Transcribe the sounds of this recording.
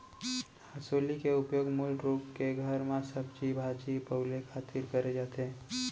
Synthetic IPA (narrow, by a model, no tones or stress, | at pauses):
həsoːlikeʊpjoːɡmulɾuːpkeɡʱəɾmẽsəbd͡ʒibʱaːd͡ʒipəɦulekʰaːt̪iɾkəɾed͡ʒaːt̪eː